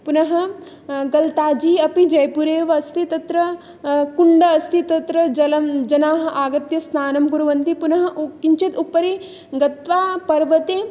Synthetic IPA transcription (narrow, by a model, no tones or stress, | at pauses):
punɐɦɐ̆ | ɡɐlt̪aːd͡ʒiːɐpid͡ʒɐjpuɾeːʋɐɐst̪ʰit̪ɐt̪ɾɐ | kuɳɖɐɐst̪ʰit̪ɐt̪ɾɐd͡ʒɐlɐmd͡ʒɐnaːɦɐʔaːɡɐt̪jɐst̪ʰaːnɐmɡuɾuʋɐnt̪ipunɐɦɐ̆kiɲt͡ʃit̪upːɐɾi | ɡɐt̪ʋaːpɐɾʋɐt̪eː